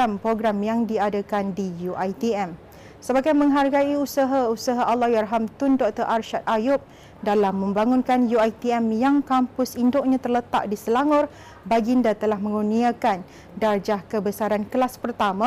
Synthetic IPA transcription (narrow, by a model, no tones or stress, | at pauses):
ampɾoɡɾamjaŋdiadakandijuʔajt̪iɛm | səbaɡajmə̃ŋɦarɡaiusaɦausaɦaʔalːɔhjarɦamt̪ʊndɔk̚t̪əɾʔarʃat̪̚ajʊp̚ | dalamːə̃mbaŋʊnkanjuajt̪iɛmjaŋkampʊsindoʔɲãt̪ərlət̪a̰ʔ̚disəlaŋʊr | baɡindat̪əlahmə̃ŋuniakan | dard͡ʒahkəbəsaɾankəlaspərt̪amã